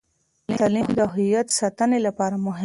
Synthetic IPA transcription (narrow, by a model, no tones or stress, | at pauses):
lit̪alixd̪əɦʊjat̪sɑt̪ənelapɑɾamʊɦ